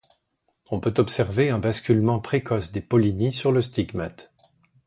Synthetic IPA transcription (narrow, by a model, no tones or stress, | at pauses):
ɔ̃pøt̪ɔpsɛʁveɛ̃baskʲylmɑ̃pχekɔsd̪epɔlinisyʁləst̪iɡmat̪